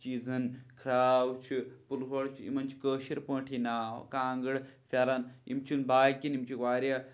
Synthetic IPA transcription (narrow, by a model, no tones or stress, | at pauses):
t͡ʃiːzɐnkʰɾaːwt͡ʃʰipulɦoɽt͡ʃʰiḭmɐnt͡ʃʰi̥kəːʃiɾpə̃ːʈʰina̰ːkaːŋɡɨɽfʲɐɾɐnḭmt͡ʃʰunbaːjkinimt͡ʃʰikʋaːɾjɐ